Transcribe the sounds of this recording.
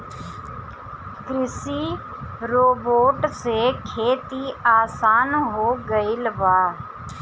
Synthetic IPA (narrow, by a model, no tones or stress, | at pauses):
kɾɪsiː | ɾoːboːʈsekʰeːt̪iaːsaːnɦoːɡəɪlʋaː